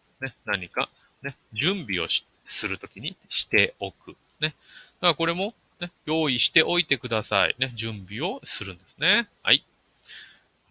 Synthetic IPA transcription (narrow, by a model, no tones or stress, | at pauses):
ne̞naɲ̟ika | ne̞d͡ʑɨ̃mbʲio̞̰ɕ | sɨɾɯ̟t̪o̞kʲiɲ̟iɕi̥t̪e̞o̞kɯ̟ | ne̞ | d̪̥akako̞ɾe̞mo̞ | ne̞jo̞ːiɕi̥t̪e̞ʔo̞it̪e̞kɯ̟d̪asa̰ḭne̞d͡ʑɨ̃mbʲio̞sɨɾɯ̟̃nd̪e̞sɨ̥ne̞ha̰i